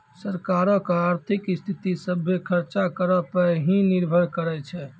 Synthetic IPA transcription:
səɾkaɾəkaɾt̪ʰikst̪ʰit̪isəbʱːekʰəɾt͡ʃakəɾəpəɦĩniɾbʱəɾkəɾɛt͡ʃʰɛ

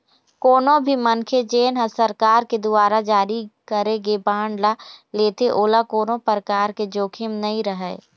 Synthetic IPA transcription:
koːnõbʱimənkʰed͡ʒeːnɦəsəɾkaːɾked̪ʊaːɾad͡ʒaːɾikəɾeɡebaːɳɖlaleːt̪eʔoːlakoːnõpəɾəkaːɾked͡ʒoːkʰɪmnɐĩɾəɦɛː

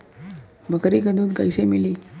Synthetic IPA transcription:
bʱəkɾikəd̪uːt̪ɡajsemiliː

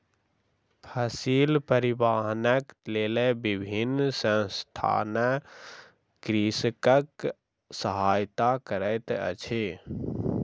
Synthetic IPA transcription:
pʰəsiːlpəɾibaːɦnəkleːlebibʱinsə̃nst̪ʰa̰ːnə | kɾiskək | səɦaːjt̪akəɾəɪt̪ə̰t͡ʃʰe

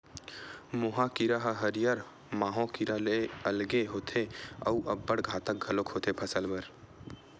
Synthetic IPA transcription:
moɦakiɾaɦəɦəɾijaɾ | maːɦõkiɾaleəlɡeɦoːt̪ʰeɐ̰uʔəbːəɽɡʱaːt̪ək̚ɡʱəlokhot̪ʰepʰəsəlbəɾ

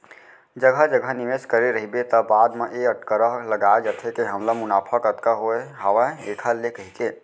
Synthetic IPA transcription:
d͡ʒəɡʱəd͡ʒəɡʱəniʋeskəɾeɾəɦibet̪əbaːd̪meʔeəʈkəɾəɦləɡaed͡ʒət̪ʰekeɦəmlamunaːpʰəkət̪kaɦoeɦaʋəekʰəlekəɦik̪e

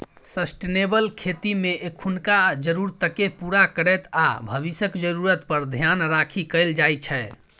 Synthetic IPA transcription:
səsʈenebəlkʰet̪imeʔekʰunkad͡ʒəɾuɾt̪əkepuɾakəɾɛt̪abʱəβisəkd͡ʒəɾuɾət̪pəɾd̪ʱjanɾakʰikəjld͡ʒajt͡ʃʰɛ

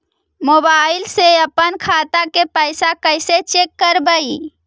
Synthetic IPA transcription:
mobaɪlseəpənkʰat̪akepəɪsakəɪset͡ʃekːəɾbəi

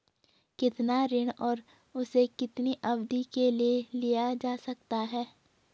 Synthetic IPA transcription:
kɪt̪naɾɪɽ̃ɔːɾ | ʊsekɪt̪niʔɐbd̪ikelielijad͡ʒaːsɐkt̪aɦɛː

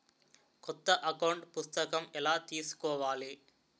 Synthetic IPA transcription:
kɔt̪ːɐʔɐkɐwɳʈpust̪ɐkɐmɛlaːt̪iːsu̥kɔːʋaːli

